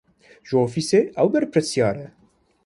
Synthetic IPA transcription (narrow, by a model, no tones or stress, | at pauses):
ʒəoːfiːseʔɛwbɛɾpɾɨsjɑːɾɛ